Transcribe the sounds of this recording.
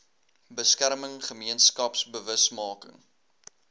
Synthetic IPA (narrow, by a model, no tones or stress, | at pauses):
bəskærməŋχəmiənskɐpsbəvəsmɑːkəŋ